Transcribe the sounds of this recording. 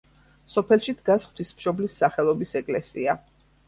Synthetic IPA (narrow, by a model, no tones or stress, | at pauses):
sɔpʰɛlˠʃid̪ɡasχwt̪ʰwismʃɔblisːaχɛlˠɔbisɛkʼlɛsia